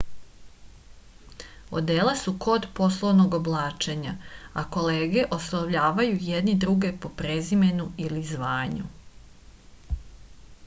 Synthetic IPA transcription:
o̰d̪eːlˠasuko̞d̪po̞slˠoʋno̞ɡo̞blˠaːt͡ʃe̞ɲaako̞leːɡe̞ʔo̞soʋʎaːʋajujed̪nid̪ɾuɡe̞po̞pɾezime̞nuilizʋaːɲṵ

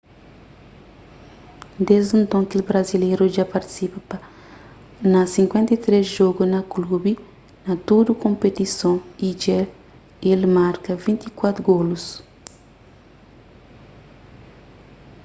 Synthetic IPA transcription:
d̪ezd̪ũnt̪õŋkilbɾɐzilejɾuʒapaɾt̪i̥sipɐpɐ | nɐsĩŋkwɛ̃nt̪ɐt̪ɾesʒoɡunɐklubi | nɐt̪ud̪ukõmpet̪isõid͡ʒɛ | elmaɾkɐvĩnt̪ikwat̪ɾuɡolus

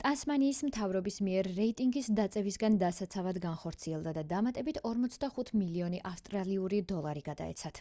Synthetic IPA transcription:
t̪ʼansmaniːsmt̪ʰavɾɔbismiɛɾːɛit̪ʼiŋɡisd̪at̪sʼɛvisɡand̪asat̪sʰavad̪ɡanχɔɾt̪sʰiɛlˠd̪ad̪ad̪amat̪ʼɛbit̪ʰɔɾmɔt̪sʰd̪aχut̪ʰmiliɔniʔafst̪ʼɾaliuɾid̪ɔlˠaɾiɡad̪a̰ɛ̰t̪sʰat̪ʰ

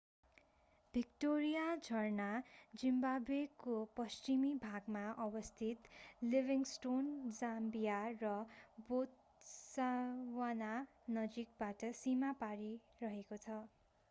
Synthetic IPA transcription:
bʱikʈoɾijad͡zʱʌrnad͡zimbabekopʌst͡ʃimibʱaɡmaʔʌbʌst̪ʰit̪libiŋsʈond͡zambijarʌbot̪ | sawana | nʌd͡zik̚baʈʌsimapaɾi | rʌɦekot͡sʰʌ

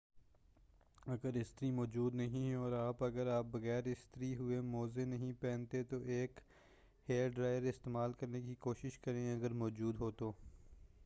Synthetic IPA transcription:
ɐɡəɾɪst̪əɾimɔːd͡ʒuːd̪nɐɦĩɦɛɔːɾaːpɐɡəɾaːp̚bɐɣɛːɾɪst̪əɾiɦʊemɔːzenɐɦĩpɛ̃ːnt̪et̪oʔeːk | heːɖɾaːɪjəɾɪst̪eːmaːlkɐɾnekikoːʃɪʃkɐɾẽɐɡəɾmɔːd͡ʒuːd̪ɦoːt̪oː

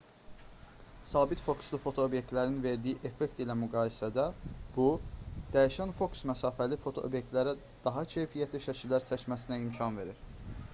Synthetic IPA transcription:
sɑːbit̪fo̞kslˠufo̞t̪ʰo̞obje̞k̚t̪læɾninve̞ɾd̪ijiʔe̞fe̞kt̪ilæmyɡɑːjisæd̪æb̥ud̪̥æjiʃænfo̞ksmæsɑːfælifo̞t̪ʰo̞ʔo̰bje̞k̚t̪læɾæ | d̪̥ɑɦɑcʰe̞jfijæt̪ʰliʃæcʰilːæɾt͡s̪ʰæcmæsinæimcʰɑnve̞ɾiɾ̥

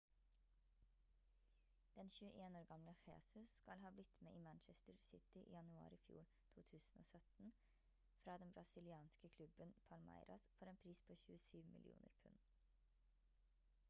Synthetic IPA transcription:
d̪̥ɛnçʉːəʔeːnoːɾɡɑmləxḛːsʉskɑlhɑːblɪt̪meːʔiːmænt͡ʃɛst̪əɹsɪt̪ɪʔḭːjɑnʉɑ̰ːɾiːfjṵːɾ | t̪ʰṵːt̪ʰʉːsn̩o̰ːsœt̪n̩ | fɾɑːd̪ɛnbɾʔɑsɪlɪɑːnskəkʰlʉbənpʰɑlmæ̰ɪɾɑsfɔɾeːnpʰɾiːspʰoːçʉːəsyːʋmɪ̰lɪ̰ʔṵːnə̰ɾpʰʉn

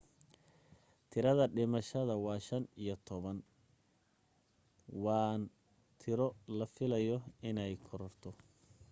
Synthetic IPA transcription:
t̪ʰɪɾɐðɐɖɪmɐʃɐðɐwɑːʃɐnijɔt̪ʰɔβɐn | wɑːn | t̪ʰɪɾɔlɐfɪlɐjɔɪnɛjkʰɔɾɔrt̪ʰɔ

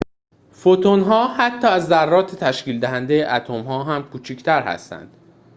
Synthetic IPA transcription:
fot̪ʰonɦɒːhæt̪ʰːɒːæzːærːɒːt̪ʰet̪ʰæʃciːld̪æɦænd̪ejeʔæt̪ʰomɦɒːɦæmkʰuːt͡ʃʰict̪ʰæɾhæ̰st̪æ̰nd̪̥

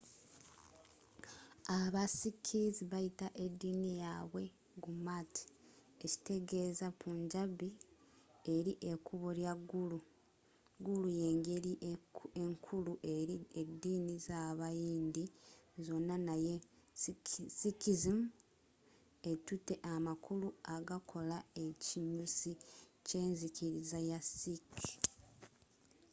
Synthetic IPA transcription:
aβasikʰiziβajitaʔe̞dːiːnijaβwe̞ | ɡumatʰi̥ | eci̥te̞ɡe̞zapʰuːɲɟaβi | eɾiʔe̞kuβo̞ljaɡːulu | ɡuluje̞ːŋɡe̞ɾiʔeŋkʰuluʔeɾiedːiːnizaːβajiːndizo̞nːanaje | sikizim | etute̞ʔamakuluaɡakʰo̞lae̞ciɲusice̞ːnziciɾizajasik

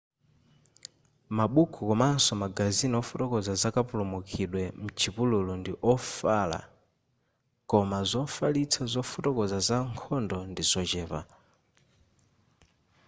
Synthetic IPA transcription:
maɓukʰukɔmasɔmaɡaziniɔfutɔkɔzazakapulɔmukʰiɗwɛm̩t͡ʃʰipululɔndiʔɔfala̰ | kɔmazɔfalit͡sʰazɔfutɔkɔzazaŋkʰɔndɔndizɔt͡ʃɛːva̰

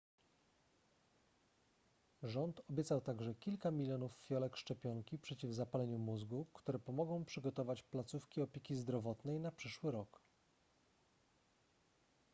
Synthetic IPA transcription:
ʐɔnt̪ɔbʲjɛt̪sawt̪aɡʐɛkʲilkamʲilʲjɔnufːʲjɔlɛkʂt͡ʂɛpʲjɔŋkʲipʂɛt͡ɕivzapalɛɲumuzɡukt̪uɾɛpɔmɔɡɔ̃w̃pʂɘɡɔt̪ɔvat͡ɕplat̪sufkʲiɔpʲjekʲizd̪ɾɔvɔt̪nɛjnapʂɘʂwɘɾɔk

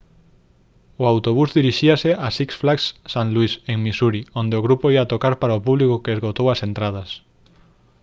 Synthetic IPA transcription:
ʊawt̪oβ̞uzðiɾiʃiaseʔasiksflaksːãnluiseŋmisuɾiond̪eoɣ̞ɾupoiat̪okaɾpaɾaopuβlikokeezɣot̪owasent̪ɾað̞as

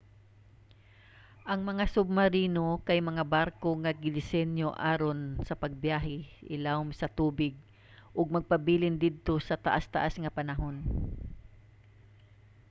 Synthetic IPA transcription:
ʔɐŋmɐŋasʊb̚maɾiːnokajmɐŋabaɾkoŋaɡɪd̪ɪsɛnjoʔaːɾonsɐpɐɡ̚bjaɦɪʔɪlawmsɐt̪uːbɪɡ̚ | ʔʊɡ̚mɐɡ̚pɐbiːlɪnd̪ɪd̪̚t̪o̞sɐt̪aʔast̪aʔasŋɐpɐnaɦon

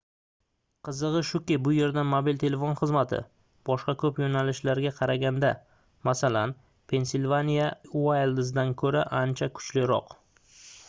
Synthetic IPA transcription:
qʰɨzɨʁɨʃʊkʲɪbʊje̞ɾd̪anmobilt̪ʰe̞le̞fo̞nχɨzmat̪ʰɪ̰ | b̥ɒʃqɑkʰɵpjonalɪʃlaɾɡʲaqʰɑɾaɡʲand̪a | masalan | pʰe̞nsilʲvanʲijawajld̪ɪs̬d̪ankʰɵɾaʔant͡ʃʰakʰʊ̥t͡ʃlɪɾɒ̰q

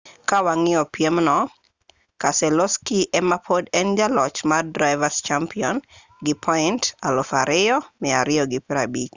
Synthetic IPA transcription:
kawaŋɪɔpjemnɔ | kasɛlɔskiʔɛmapʰodɛnd͡ʒalɔt͡ʃmadɾaɪvast͡ʃampiɔn | ɡɪpʰɔɪntalofaɾʔɪjɔmɛaɾɪɔɡɪpɾabik

